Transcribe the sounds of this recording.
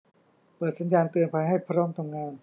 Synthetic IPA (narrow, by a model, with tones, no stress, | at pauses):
pɤː˨˩t̪̚sa˩˦njaː˧nt̪ɯ˧ənpʰaː˧jɦa˥˩jpʰa˧ɾɔː˦˥˩mt̪ʰa˧mŋaː˧n